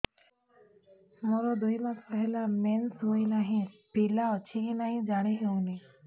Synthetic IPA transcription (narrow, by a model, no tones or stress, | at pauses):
moɾɔd̪ujmaspəɦelamensɦuinaɦĩpilaɔt͡ʃʰiɦĩnaɦĩd͡ʒaɽ̃eɦeũni